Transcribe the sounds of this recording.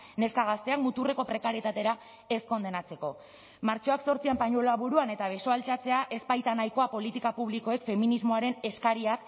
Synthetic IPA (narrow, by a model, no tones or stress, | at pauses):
ne̞skaɣ̞ast̪e̞akmut̪ure̞ko̞pɾe̞kaɾiet̪at̪e̞ɾa | e̞sko̞nd̪e̞nat͡se̞ko̞ | maɾt͡ʃo̞akso̞ɾt͡siampaɲoloaβuɾuane̞t̪aβ̞e̞so̞alt͡sat͡se̞aʔe̞zpajt̪anajko̞apo̞lit̪ikapuβliko̞e̞kfe̞minizmo̞aɾe̞ne̞skaɾiak